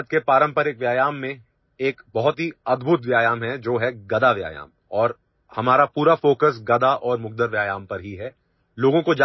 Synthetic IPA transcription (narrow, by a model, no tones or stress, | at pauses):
t̪kepaːɾə̃mpəɾɪkʋjaːjaːmːẽ | eːkbɐɦʊt̪ɦiɐd̪bʱʊt̪ʋjaːjaːmɦɛd͡ʒoːɦɛɡɐd̪aʋja̰ːja̰ːm | ɔːɾ | hɐmaːɾapuːɾafoːkəs̬ɡɐd̪aʔɔːɾmʊɡ̚d̪əɾʋjaːjaːmpɐɾɦiɦɛ | loːɡõkod͡ʒ